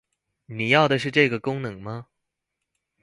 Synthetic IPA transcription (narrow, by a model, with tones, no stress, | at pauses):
ni˨˩jɑ˥˩ʊd̪ə˩ʂ̬ɻ̩˥˧ʈ͡ʂɤ˥˩ɡə˩kʊ˥ŋnɤ˨˧˥ŋmɐ˧˦